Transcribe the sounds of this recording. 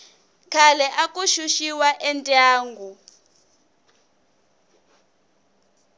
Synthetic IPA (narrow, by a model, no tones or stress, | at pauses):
kʰalɛʔakʼuʃuʃiwaʔɛntʼaːŋɡʱu